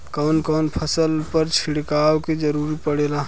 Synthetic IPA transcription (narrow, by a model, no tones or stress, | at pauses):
kɔːnkəʊnpʰəsəlpəɾt͡ʃʰɪɽkaːwked͡ʒəɾuːɾipəɽelaː